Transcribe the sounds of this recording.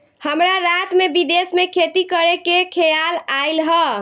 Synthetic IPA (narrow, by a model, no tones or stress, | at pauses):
həmɾaɾat̪mebid̪esmekʰet̪ikəɾekekʰejalajlɦə